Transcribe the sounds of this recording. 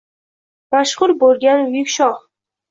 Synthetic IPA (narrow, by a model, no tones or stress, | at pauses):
maʃχʊɾbolˠɡʲanʊjɪkʲʃɒχ